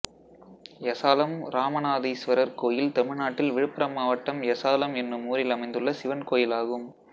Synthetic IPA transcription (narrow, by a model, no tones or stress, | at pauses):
jɐsaːlɐmɾaːmɐnaːðisʋɐɾɐɾkoːjɪlt̪ɐmɪɻnaːʈːɪlʋɪɻɯpːɐɾɐmːaːʋɐʈːɐmjɐsaːlɐmɛnrɯmuːɾɪlɐmɐɪnd̪ɯɭːɐsɪʋɐnkoːjɪlaːɣɯm